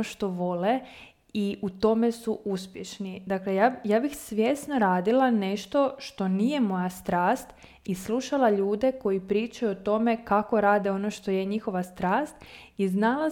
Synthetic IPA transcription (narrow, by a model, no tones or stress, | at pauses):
oʃt̪o̞ʋo̞le | iut̪o̞me̞suʔuspjeʃnid̪aklejajaːbixsʋje̞snoɾaːd̪ilane̞ʃt̪o̞ʃt̪o̞niːje̞mo̞jast̪ɾaːst̪ | isluʃalaʎuːd̪e̞ko̞jipɾiːt͡ʃajuot̪o̞me̞kako̞ɾaːd̪eo̞no̞ʃt̪o̞je̞ɲixo̞ʋast̪ɾaːst̪̚iznala